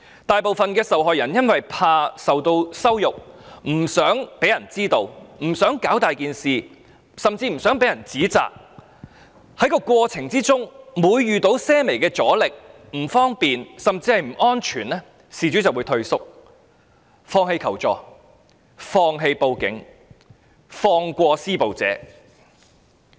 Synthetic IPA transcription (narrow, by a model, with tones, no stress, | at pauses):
t̪aː˨jpo˨wfɐ˨nkɛː˧sɐ˨wɦɔː˨jɐ˨˩njɐ˥nwɐ˨jpʰaː˧sɐ˨wt̪o˧wsɐ˥wjʊ˨k̚m̩˨˩sœː˨˥ŋpe˨˥jɐ˨˩nt͡siː˥t̪o˧wm̩˨˩sœː˨˥ŋkaː˨˥wt̪aː˨jkiː˨nsiː˨ | sɐ˨mt͡siː˧m̩˨˩sœː˨˥ŋpe˨˥jɐ˨˩nt͡siː˨˥t͡sa̰ː˨k̚ | hɐ˨˧˥jkɔː˧kʷɔː˧t͡sʰɪ˨˩ŋt͡siː˥t͡sʊ˥ŋmuː˨˧jːyː˨t̪o˨˧˥wsɛː˥me˨˩jkɛː˧t͡sɔː˨˥lɪ˨k̚ | m̩˨˩fɔː˥ŋpiː˨nsɐ˨mt͡siː˧hɐ˨jm̩˨˩ɔː˥nt͡ʃʰyː˨˩nɛː˥ | siː˨˩t͡ʃyː˨˥t͡sɐ˨wu˨˥jt̪ʰɵ˧ɥsʊ˥k̚ | fɔː˧ŋɦe˧jkʰɐ˨˩wt͡ʃɔː˨k | fɔː˧ŋɦe˧jpo˧wkɪ˨˥ŋ | fɔː˧ŋkʷɔː˧siː˥po˨wt͡sɛ̰ː˨˥